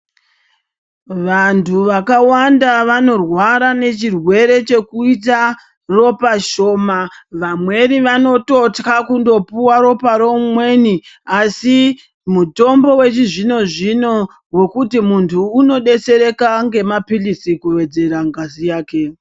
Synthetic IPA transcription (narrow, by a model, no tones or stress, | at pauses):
ʋantʰuʋakawandaʋano̞rwaɾane̞t͡ʃirwe̞ɾe̞t͡ʃe̞kuit̬a | ro̞paʃo̞ːmaʋamwe̞ɾiʋano̞to̞tkakundo̞puwaɾo̞paɾo̞mwe̞niasi | muto̞mbo̞we̞t͡ʃiʐino̞ʐino̞ | we̞kutimuntʰuːno̞ɗe̞se̞ɾe̞kaŋɡe̞mapilisikuʋe̞d͡ze̞ɾaŋɡazijaːke̞